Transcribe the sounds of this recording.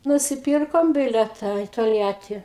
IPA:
nʊsʲɪˈpʲiːrkoːm ˈbʲɪlʲɛtɐ ɪ toːlʲˈjæːtʲiː

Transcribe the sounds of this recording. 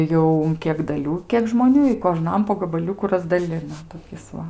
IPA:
ˈjɛʊ ʊn ˈkʲiɛk dɐˈlʲuː ˈkʲiɛk ʒmoːˈnʲuː ɪ koːˈʒnɐm poː ɡɐbɐˈlʲʊkʊ rɐzdɐˈlʲɪnɐ toːˈkʲɪs ˈʋɐ

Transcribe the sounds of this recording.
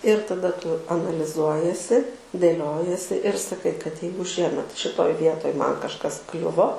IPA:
ɪr tɐˈdɐ ˈtʊ ɐnɐlʲɪˈzuɔjiɛsʲɪ dʲeːˈlʲoːjiɛsʲɪ ɪr sɐˈkɐɪ kɐt ˈjɛɪɡʊ ˈʃʲiɛmʲɛt ʃʲɪˈtoːj ˈʋʲiɛtoːj ˈmɐn kɐʃˈkɐs ˈklʲʊʋoː

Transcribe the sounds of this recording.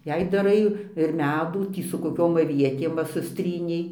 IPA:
ˈjɛɪ dɐˈrɐɪ ɪr ˈmʲæːduː ˈtʲiː sʊ koːˈkʲoːm ɐˈʋʲiɛtʲeːm ˈʋɐ sʊsʲˈtʲrʲiːnʲɛɪ

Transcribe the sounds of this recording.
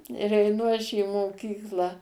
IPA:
ɪr ɛɪˈnʊ ɐʃ iː moːˈkʲiːklˠɑː

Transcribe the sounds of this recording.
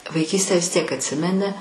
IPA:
ʋɐɪˈkʲiːsʲtʲæː ʋʲɪs tʲiɛk ɐtʲˈsʲɪmʲɛnʲɪ

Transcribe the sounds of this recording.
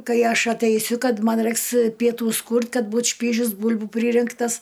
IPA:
ˈkɐɪ ˈɐʃ ɐtʲɛɪˈsʲʊ ˈkɐt ˈmɐn ˈrɜɪks pʲiɛˈtuːs ˈkuːrʲtʲ ˈkɐt ˈbuːt ˈʃʲpʲiːʒʲʊs ˈbʊlʲbʊ ˈpʲrʲiːrʲɪŋktɐs

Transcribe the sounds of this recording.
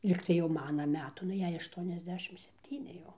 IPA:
ˈlʲiːktɐɪ jɛʊ ˈmɑːnɐ ˈmʲæːtʊ nʊ ˈjɛɪ ɐʃˌtuɔnʲɛzʲˈdʲæːʃʲɪm sʲɛpʲˈtʲiːnʲɪ jɛʊ

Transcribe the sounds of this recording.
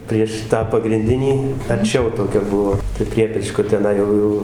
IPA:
pʲrʲiɛʃ ˈtɑː pɐɡrʲɪnʲˈdʲɪnʲiː ɐrʲˈt͡ʃʲɛʊ toːˈkʲɛ ˈbuɔ pʲrʲɪ ˈpʲrʲiɛpʲɛt͡ʃkoː tʲɛˈnɐɪ jɛʊ jɛʊ

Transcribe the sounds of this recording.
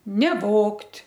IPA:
nʲɛˈʋoːktʲ

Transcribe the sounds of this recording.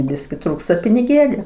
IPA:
ˈbʲɪsʲkʲɪ ˈtruːkstɐ pʲɪnʲɪˈɡʲeːlʲʊ

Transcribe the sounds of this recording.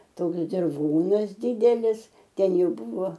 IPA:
ˈtoːks dʲɪrˈʋoːnɐs ˈdʲɪdʲɛlʲɪs ˈtʲɛn ˈjɛʊ ˈbʊʋoː

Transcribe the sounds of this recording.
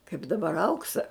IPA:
kɐɪp dɐˈbɐr ˈɐʊksɐ

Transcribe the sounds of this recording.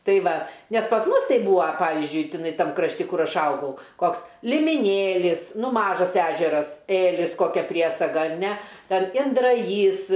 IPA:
ˈtɐɪ ˈʋɐ nʲɛs pɐs ˈmʊs ˈtɐɪ ˈbuːɐ ˈpɑːʋʲɪzʲd͡ʒʲʊɪ tʲɪˈnɐɪ ˈtɐm krɐʃʲˈtʲɪ ˈkʊr ˈɐʃ ˈɐʊɡɐʊ ˈkoːks lʲɪmʲɪˈnʲeːlʲɪs ˈnʊ ˈmɑːʒɐs ˈæːʒʲɛrɐs ˈeːlʲɪs koːˈkʲɛ ˈpʲrʲiɛsɐɡɐ ɐr nʲɛ ˈtʲɛn ɪndrɐˈjiːs

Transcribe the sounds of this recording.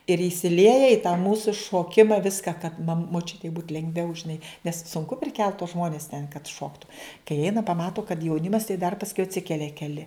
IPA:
ɪr iːsʲɪˈlʲiɛjɛ ɪ tɑː ˈmuːsʊ ʃoːˈkʲɪmɐ ˈʋʲɪskɐ kɐt mɐ moːˈt͡ʃʲʊtʲɛɪ buːt lʲɛŋɡˈʋʲɛʊ ʒʲɪˈnɐɪ nʲɛs sʊŋˈkʊ pʲrʲɪˈkʲɛlˠt tuɔs ˈʒmoːnʲɛs tʲɛn kɐt ˈʃoːktʊ kɐɪ ˈɛɪnɐ pɐˈmɑːtʊ kɐt jɛʊˈnʲɪmɐs tɐɪ dɐr pɐsˈkʊɪ ɐtʲˈsʲɪkʲɛlʲɛ kʲɛˈlʲɪ

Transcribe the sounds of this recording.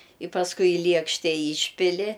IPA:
ɪ pɐsˈkʊɪ ɪ ˈlʲiɛkʃʲtʲɛ ˈiːʃʲpʲɪlʲɪ

